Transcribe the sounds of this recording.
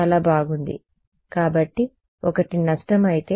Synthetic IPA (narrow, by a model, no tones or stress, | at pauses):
ɐlaːbaːɡund̪ḭ | kaːbɐʈːi | ɔkɐʈinɐʂʈɐmɐjit̪eː